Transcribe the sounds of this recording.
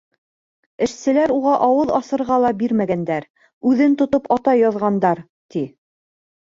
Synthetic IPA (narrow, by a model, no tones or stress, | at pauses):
ɘ̆ʃsɘ̆læɾuʁɑʔɑwɤðɑsɤ̆ɾʁɑlˠɑbiɾmæɡænd̪æɾ | ʉðɘnt̪ŏt̪opɑt̪ɑjɑðʁɑnd̪ɑɾ | t̪i